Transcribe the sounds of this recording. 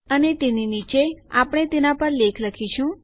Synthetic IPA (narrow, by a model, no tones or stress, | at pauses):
ənet̪eninit͡ʃeapɽ̃et̪enapəɾlekʰləkʰiʃũ